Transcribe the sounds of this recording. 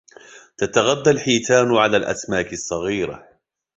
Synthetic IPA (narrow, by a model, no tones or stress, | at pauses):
t̪at̪aɣad̪ːalħiːt̪aːnʕalaːlʔa̰smaːkɪsˤːɑɣiːɾa̰